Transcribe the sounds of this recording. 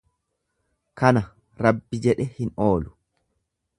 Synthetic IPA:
kɐnɐ | ɾɐbːɪd͡ʒɛᶑɛhɪno̞ːlʊ̥

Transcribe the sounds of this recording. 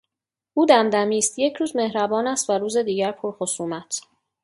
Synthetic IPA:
ʔuːd̪æmd̪æmiːst̪je̞cʰɾuːzme̞hɾæbɒːnæst̪væɾuːze̞d̪iːɟæɾpʰoɾxosuːmæt̪ʰ

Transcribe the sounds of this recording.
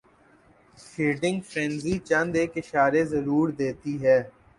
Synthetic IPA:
ʃiːɖɪ̃ŋɡfɾɛ̃nzit͡ʃɐ̃nd̪eːkɪʃaːɾezɐɾuːɾd̪eːt̪iɦɛː

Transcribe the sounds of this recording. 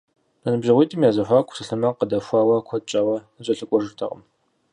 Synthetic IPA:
bʰɐnɨbʒɐʁʷiːtʼimjaːzɐxʷaːkʷʰʼʊ̥sɨɬɨmɐqədɐfʷɑːwɐkʷʰɔt͡ʃʼɐwɐ | ɕʷʼɐɬɨkʷʼɔʐɨrtʰɐ̰ʁɐ̰m

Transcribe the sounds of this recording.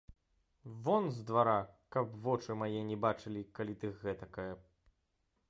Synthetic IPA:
vɔnzd̪vaɾakɐpvɔt͡ʂɨmajɛnʲɛbat͡ʂɨlʲikalʲit̪ɨxɣɛt̪ɐkajɛ

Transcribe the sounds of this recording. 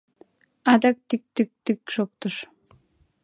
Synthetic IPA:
ad̪ak̚t̪yk̚t̪yk̚t̪ykʃok̚t̪uʃ

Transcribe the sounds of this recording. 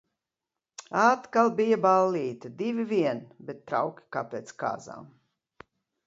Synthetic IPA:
aːt̪kalˠbijabalːiːt̪id̪ivʲiviɛnbet̪̚ːɾa̰wkʲi̥kapʲeːt̪ska̰ːza̰ːm

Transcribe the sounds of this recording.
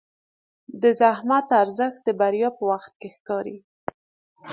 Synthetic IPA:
d̪əzahmat̪aɾzəxt̪̚d̪əbaɾjɑpəwaxt̪̚kexkɑɾi

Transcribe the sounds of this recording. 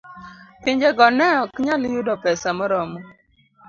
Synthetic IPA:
piɲd͡ʒeɡɔnɛɔkɲaljʊdɔpɛsamɔɾɔmɔ

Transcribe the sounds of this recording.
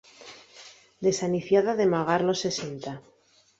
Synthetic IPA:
d̪e̞saniθjaðaðe̞maɣ̞aɾlo̞sːe̞se̞nt̪a

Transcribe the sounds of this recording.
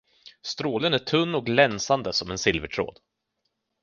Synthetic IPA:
st̪ɾoːlənæʈʰɵnːɔk̚lɛnsand̪əsɔmɛnsɪlvəʈʰɾo̰ːd̪

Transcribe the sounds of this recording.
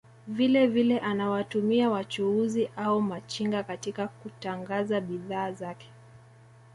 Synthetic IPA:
vilɛvilɛʔanawatumiawat͡ʃuuziʔaumat͡ʃiŋɡakatikakutaŋɡazaɓiðaːzakɛ̥

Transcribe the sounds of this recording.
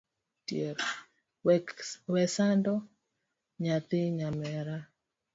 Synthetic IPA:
tjeɾ | wɛsandɔ | ɲat̪ɪɲamɛɾa

